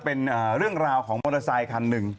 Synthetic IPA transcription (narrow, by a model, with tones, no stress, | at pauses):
pe˧nʔaː˩ɾɯ˥˩əŋɾaː˧wkʰɔː˩˦ŋmo˧la˧saː˧jkʰa˧nːɯ˨˩ŋ